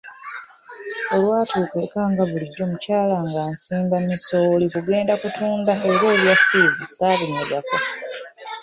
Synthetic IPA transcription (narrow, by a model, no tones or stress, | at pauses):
olwaːtʰuːkwe̞ːkaːŋɡaβuliɟːo̞ːmucaːlaŋɡaːnsiːmbamiso̞likuɡe̞ːndakutuːndaeɾe̞ːβjafizisaːβineɡako